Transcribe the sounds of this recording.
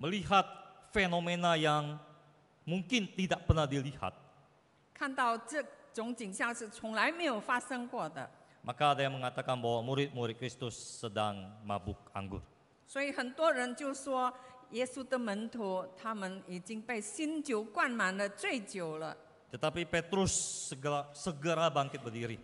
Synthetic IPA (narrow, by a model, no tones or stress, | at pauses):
məliɦat̪̚fenomenajaŋ | muŋkɪnt̪idaʔpərnahdiliha̰t̪̚ | kʰant̪ɑʊʈ͡ʂət͡sʊŋt͡ɕiŋɕjɑŋʂɻ̩t͡sʰʊŋlaɪmeɪjoʊfasəŋkwɔd̪ə̰ | mʔakaːdajaŋməŋat̪akanbawamuɾɪt̪̚muɾɪt̪̚kɾɪst̪ʊsːədaŋmabʊk̚a̰ŋɡʊ̰r | swɔihənt̪wɔɻənt͡ɕjoʊswɔjɛsud̪əmənt̪ʰut̪ʰamənit͡ɕiŋpeɪsint͡ɕjoʊkwanmand̪ət͡sweɪt͡ɕjoʊlə̰ | t̪ət̪apipet̪ɾʊsːəɡəlasəɡəɾabaŋkɪt̪̚bərdiɾi